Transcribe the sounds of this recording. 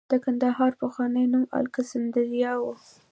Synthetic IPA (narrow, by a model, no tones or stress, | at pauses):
d̪̥əkand̪aɦɑɾpəxwɑnəjnumɑ̰lkəsɪnd̪əzjɑwu